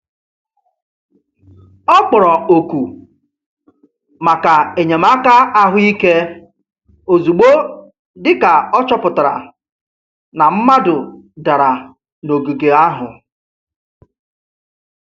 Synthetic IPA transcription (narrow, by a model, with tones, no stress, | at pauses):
ɔ˦k͡pʊ˨ɾɔ˨o˨ku˨ | ma˨ka˨e˨ɲe˨m˦a˦ka˦a˦ɦʊ˦i˦ke˦ | o˨zu˨ɡ͡bo˦ | dɪ˦ka˨ɔ˦t͡ʃɔ˦pʊ˨ta˨ɾa̰˨ | na˨m̩˦ma˦dʊ˨da˨ɾa˨ | no˨ɡu˨ɡe˨a˦ɦʊ̰˨